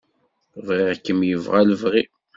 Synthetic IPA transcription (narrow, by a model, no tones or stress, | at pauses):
vʁiʁkːəmjəvʁæləvʁi